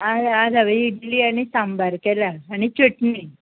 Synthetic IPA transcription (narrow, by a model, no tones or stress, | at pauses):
ad͡zad͡zaʋeiɽiliːaɽ̃isambaɾkelaːɽ̃it͡ɕəʈni